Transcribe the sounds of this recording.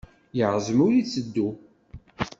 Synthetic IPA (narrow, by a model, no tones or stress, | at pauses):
jəʁzˤəmʊɾit͡sːəd̪ːu